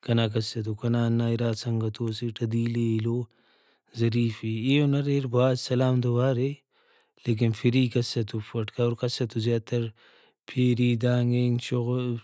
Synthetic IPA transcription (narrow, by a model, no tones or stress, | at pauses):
kɐnaːk̬ɐsɐt̪̬ukɐnaːnːaːiɾaːsɐŋɡɐt̪oːsiʈʰɐd̪iːliloː | zɐɾiːfieːonɐɾeːɾbaːd̪sɐlaːmd̪ɐbaːɾe | leːk̬infiɾiːkɐsːɐt̪ufʰɐʈkɐoɾkɐsɐt̪uzjaːt̪ɐɾ | pʰeːɾiːd̪aːŋɡeːŋt͡ʃoɣ